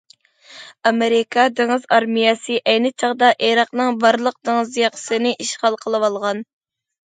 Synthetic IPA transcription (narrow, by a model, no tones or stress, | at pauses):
ɑmeɾɪkʰɑd̪eŋɨzɑɾmijɛsɨʔɛjnɪt͡ʃʰɑʁd̪ɑʔeɾɑqnɨŋbɑɾlˠəq̚d̪eŋɨzjɑqʰsɨnɪʔiʃχɑlˠqʰəlˠɨwɑlˠʁɑn